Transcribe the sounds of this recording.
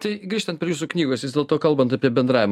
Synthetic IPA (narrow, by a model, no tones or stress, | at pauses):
t̪ɐɪɡɾʲiːʃt̪ɐnt̪pʲɾʲɪjuːsuknʲiːɡoːsjɪsd̪ʲeːlˠt̪oːkɐlˠbɐnt̪ɐpʲiɛbʲɛnd̪ɾɑːʋʲɪm